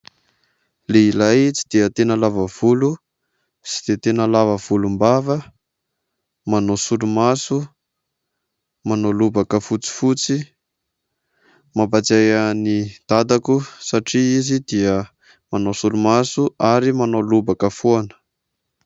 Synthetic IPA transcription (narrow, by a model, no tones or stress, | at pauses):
leilajt͡sid̪̥iət̪enəlavəv̥ulu | si̥d̪̥et̪enəlavəv̥ulumbavə | manosulumasu | manolubakəfut͡si̥fut͡si | mabat͡sejanid̪̥ad̪akusaʈ͡ʂiizid̪iə | manosulumasuʔaɾimanolubakəfuanə̥